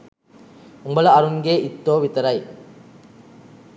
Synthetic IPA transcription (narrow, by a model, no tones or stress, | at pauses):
umbɐlɐɐɾuŋɡeːʔit̪ːoːʋit̪ɐɾɐj